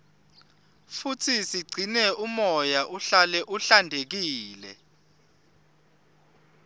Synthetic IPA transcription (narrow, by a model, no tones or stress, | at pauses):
futʰisiɡ͡ǀʱinɛumɔjaʔuɬalɛʔuɬandʱek̬iːlɛ̰